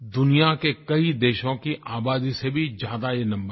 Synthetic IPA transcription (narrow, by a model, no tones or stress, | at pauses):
d̪ʊnijakekɐid̪eːʃõkiʔaːbaːd̪isebʱid͡ʒjaːd̪ajenɐ̃mbəɾ